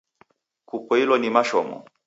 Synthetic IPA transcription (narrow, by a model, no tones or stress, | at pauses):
kupɔilɔnimaʃɔmɔ̰